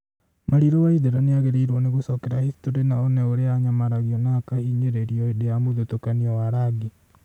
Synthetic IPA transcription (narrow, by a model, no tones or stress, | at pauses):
maɾiɾowaiðeɾaneaɣeɾeiɾɔneɣosɔkɛɾahistoɾenaɔnɛoɾeaɲamaɾaɣiɔnakahiːɲeɾeɾiɔedejamoðotokaniɔwaɾaɡi